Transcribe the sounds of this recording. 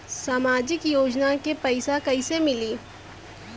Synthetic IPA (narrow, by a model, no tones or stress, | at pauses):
saːmaːd͡ʒɪkjoːd͡ʒnakepɐɪsakɐɪsemɪliː